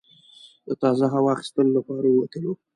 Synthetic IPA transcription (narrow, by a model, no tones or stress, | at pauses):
d̪ət̪ɑzaɦawɑxɪ̥st̪əlolapɑɾawat̪əlo